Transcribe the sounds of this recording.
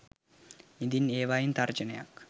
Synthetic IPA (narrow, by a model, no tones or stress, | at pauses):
id̪ineːʋaːjint̪ɐrd͡ʒɐnɐja̰k